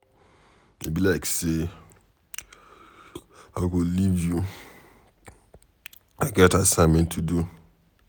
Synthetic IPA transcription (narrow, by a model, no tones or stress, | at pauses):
ḛbilaɪkse | aɪɡolivju | aɡɛtasãmɛ̃ntʰudu